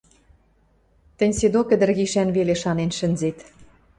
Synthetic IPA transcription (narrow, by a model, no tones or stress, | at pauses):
t̪ə̆nʲsed̪okə̆d̪ə̆rɣiʃænβeleʃɑnenʃə̆nzet̪